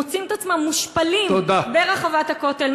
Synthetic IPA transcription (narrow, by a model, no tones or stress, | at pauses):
ot͡simet̪at͡smamːuʃpalimod̪abeʁaχavat̪hako̞t̪e̞l